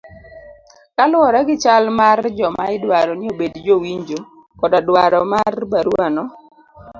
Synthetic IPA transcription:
kalɔɾaɡɪt͡ʃalmard͡ʒɔmaɪdwaɾɔnɪobedd͡ʒowiɲd͡ʒo | kɔdadwaɾɔmarbaɾuanɔ

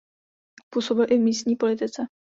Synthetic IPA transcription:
puːso̞bɪlʔɪvmiːst̪̚ɲiːpo̞lɪt̪ɪt͡sɛ

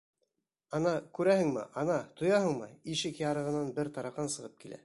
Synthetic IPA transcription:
ɑnɑkʉɾæhɘŋmɘ̰ʔɑnɑt̪ŏjɑhɤɴmɤiʃɘkjɑɾɤ̆ʁɤ̆nɑnbɘɾt̪ɑɾɑqɑnsɤ̆ʁɤp̚kilæ̰

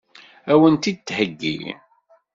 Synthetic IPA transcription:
æwənt̪id̪̚t̪ːhəɡːḭ

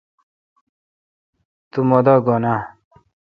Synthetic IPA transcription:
t̪umɔd̪ɔɡɔna

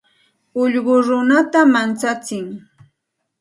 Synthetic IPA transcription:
ʊʎɢʊɾʊnat̪amant͡sat͡sɪŋ

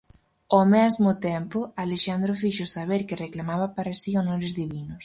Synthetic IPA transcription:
omɛzmʊt̪ɛmpʊaleʃand̪ɾofiʃʊsaβeɾkɪreklamaβapaɾasionoɾɪzðiβinʊs

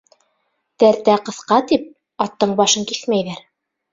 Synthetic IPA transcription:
t̪æɾt̪æqɤ̆θqɑt̪ip̚ | ɑt̪ːɤɴbɑʃɤŋkiθmæjðæɾ

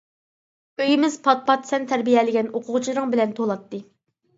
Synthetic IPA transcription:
øjimɪz̥pʰɑt̪̚pɑt̪sɛnt̪ʰæɾbijɛlɪɡʲɛnoqʰʊʁt͡ʃʰiɾɨŋbɪlɛnt̪ʰolˠɑt̪ːɨ

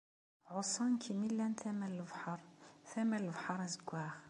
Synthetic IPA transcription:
ʕʊsˤɑnkʰimilːænt̪æmællvħɑɾˤθæmæləvħɑɾˤæzəɡʷːæx

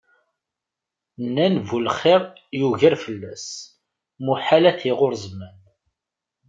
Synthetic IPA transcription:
nːænvulχɪɾˤjuʝəɾfəlːæs | muħalæθiʁʊɾzmæn

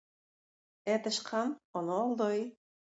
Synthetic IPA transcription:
ɛt̪ə̆ʃqʰɑmonolˠd̪oj

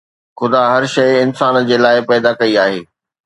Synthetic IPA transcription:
xʊd̪aːɦɐɾʃɐɪɪnsaːnd͡ʑeːlaːɪpɛːd̪akɐiaːɦeː

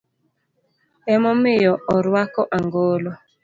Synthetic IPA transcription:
ɛmɔmɪjɔʔɔɾwakɔʔaŋɡoːlo

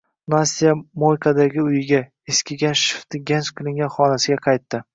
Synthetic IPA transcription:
nasijamojkʰad̪aɡʲɪʊjɪɡʲa | eskʲɪɡʲanʃɪ̥ft̪ʰɪɡʲensqʰɨlˠɪŋɡʲanχɒnasɪɡʲaqʰɑjt̪ːɪ

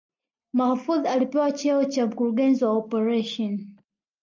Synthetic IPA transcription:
mahfuðalipɛwat͡ʃɛɔt͡ʃam̩kuɾuɡɛnziwaɔpɛɹɛʃɔn

